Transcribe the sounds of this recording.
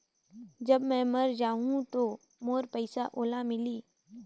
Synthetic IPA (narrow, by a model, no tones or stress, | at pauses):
d͡ʒɐbmɛ̃ːmɐɾd͡ʒaːɦũt̪oː | moːɾpəɪsaʔoːlamɪliː